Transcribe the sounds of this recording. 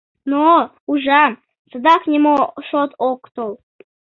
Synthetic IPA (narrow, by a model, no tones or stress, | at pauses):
no | uʒɑm | səd̪ɑknʲimoʃot̪okt̪ol